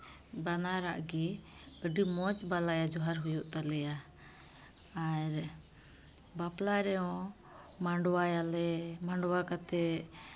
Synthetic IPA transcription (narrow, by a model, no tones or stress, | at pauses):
banaɾaʔɡiəɖimɔt͡ʃbalajad͡ʒɔɦaɾɦujuʔt̪alɛja | aɾ | baplaɾɛɔ̃ | maɳɖɔwajalɛmaɳɖɔwakat̪ɛ